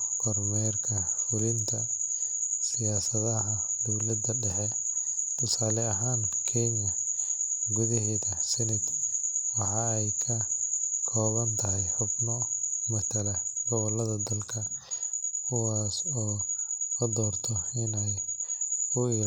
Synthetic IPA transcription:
ɡʰɔrmɛrkʰɐfʊlɪnt̪ʰɐ | sɪjaːsɐðɐɦɐ | d̪ɔwlɐd̪ɐɖɛħɛ | t̪ʰʊsaːlɛɐɦaːnkʰɛɲɐ | ɡʊðɪɦɛːðɐsɛnɪd̪wɑħɑːɛjkʰɐkʰɔːβɐnt̪ʰɐɦɛjħʊbnɔmɐt̪ʰɐlɐɡɔɣɔlɐðɐd̪ɐlkʰɐ | kʰʊwaːsɔːɐd̪ɔːrt̪ʰɔɪnɛj | ʊɪ

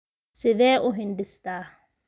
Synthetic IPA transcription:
sɪðɛːʔʊɦindistaː

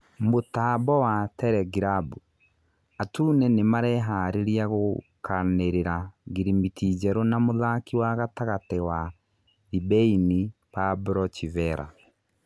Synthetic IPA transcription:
motabɔwatɛɾɛɡiɾabu | atunɛnemaɾɛɦaːɾeɾiaɣokʰaneɾeɾaɡiɾimitid͡ʒɛɾonamoðakiwaɣataɣatɛwa | ðibɛini | pabɾɔt͡ʃivɛɾa̰

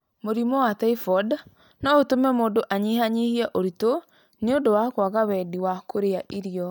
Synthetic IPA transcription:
moɾimɔwatɛifɔd | naotomɛmodoʔaɲiɦaɲehiaʔoɾito | neondowakwaɣawɛdiwakʰoɾeaʔiɾiɔ

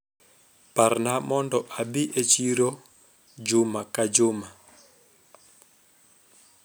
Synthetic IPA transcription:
paɾnamɔndɔʔabiʔet͡ʃiɾɔ | d͡ʒʊmakad͡ʒʊma

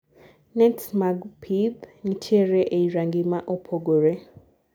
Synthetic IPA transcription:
nɛtsmaɡpʰibnitʰeɾɛʔeiɾaŋɡimaʔopʰoɡoɾe

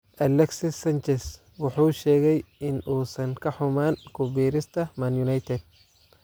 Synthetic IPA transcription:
ʔɐlɛksɪsɐnt͡ʃɛls | wɑħuːʃɛːɣɛjɪnuːsɐŋkʰɐħʊmaːnkʰʊbiːɾɪst̪ʰɐmɐnjunajt̪ʰɛd̪̚

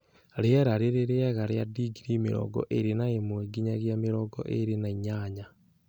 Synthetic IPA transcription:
ɾeaɾaɾeɾeɾeaɣaɾeadiɡiɾimḛɾɔ̰ɡɔ̰ʔeɾenaemweɡiɲaɣjameɾɔɡɔ̰ʔḛɾenaiɲaɲa

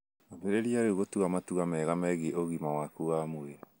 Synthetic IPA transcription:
ameɾeɾiaɾeuɣotuamatuamɛɣamɛɣeoɣimawakuamue

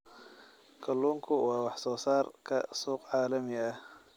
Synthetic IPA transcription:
kʰɐluːŋkʰʊwɑːwɑħsɔːsaːrkʰɐsuːqʕɑːlɐmɪɐh

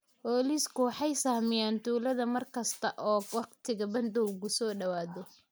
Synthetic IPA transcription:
bɔːliːskʰʊwɑħɑjsaːhmɪjaːnt̪ʰuːlɐðɐmɐrkʰɐst̪ʰɐʔɔːwɑqt̪ʰɪɣɐbɐnd̪ɔwɣʊsɔːɖɐwaːðɔ

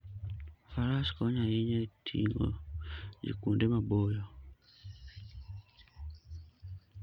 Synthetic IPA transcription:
faɾaskɔɲaiɲetʰḭŋɡɔ̰d͡ʒḭkundemabojɔ

